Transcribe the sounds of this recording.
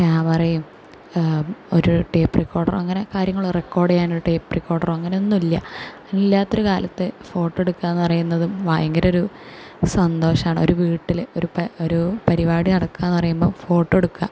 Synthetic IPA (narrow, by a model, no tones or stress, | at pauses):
kaːpɐrɐjum | o̞ɾuʈe̞ːpːrikːo̞ːɖɐ̰rɐŋːɐne̞kaːɾjɐŋːɐɭrekːo̞ːɽejaːnoɾuʈe̞ːpːrikːo̞ːɖɐrɐŋːɐne̞onːumilːɐ̰ | ilːaːt̪ːo̞ɾukaːlʔɐt̪ːɨfo̞ːʈːe̞ɽukːaːenːɨpɐrɐjunːɐðumʋaːjɐŋɡɐɾɐo̞ɾu | sɐnd̪o̞ːɕɐmaːɳɨo̞̰ɾuʋiːʈːiloɾupoɾupɐɾiʋaːɽinɐɽɐkːaːenːɨpɐrɐjumbo̞ːfo̞ːʈːeɽukːa